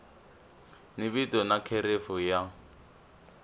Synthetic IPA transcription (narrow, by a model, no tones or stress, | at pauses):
niβitɔnakʰeɾefɔja